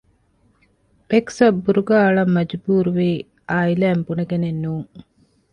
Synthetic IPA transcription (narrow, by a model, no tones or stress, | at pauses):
beksɐbːuɾuɡaːɐɭɐmːɐd͡ʒbuːɾuʋiː | aːilæːmbunɐɡenenːuːŋ